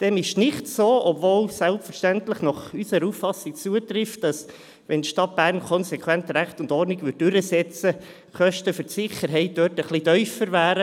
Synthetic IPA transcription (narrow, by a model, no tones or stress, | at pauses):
d̥ɛmɪʃnɪχtsoːʔɔbvoːlsælpfəɾʃtæntləχnɑχysəɾuffɑsɪk̚t͡suət̪rɪft̚d̥ɑs | ʋɛntʃtɑt̚b̥æːɾnkʰɔnsɛkwæntɾæχtʊndɔɾniɡʋʏd̚d̥ʉɾəsɛt͡sə | kœʃtəfʏtsɪχəɾɦɛɪt̚d̥øːtəχlidœʏfəɾʋæːɾə